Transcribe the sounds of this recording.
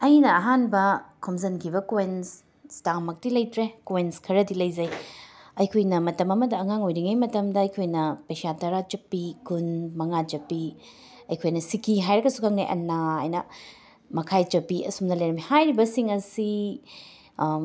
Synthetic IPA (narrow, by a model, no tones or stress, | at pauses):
ɐjnɐːɦanbɐkʰomzɐnkʰibɐkoens | stamɐk̚tilɐjtɾekoenskʰɐɾɐdilɐjzɐjɐjkʰojnɐmɐtɐmɐmɐdɐːŋaŋojɾiŋɐjmɐtɐmdɐɐjkʰojnɐpɐjsatɐɾat͡ʃɐpːikunmɐŋat͡ʃɐpːi | ɐjkʰojnɐsikiɦajɾɐɡɐsukaŋna̰jʔɐ̰nːaa̰jnɐ | mɐkʰajt͡ʃɐpiɐ̰sumdɐlɐjɾɐmihajɾibɐsiŋɐsi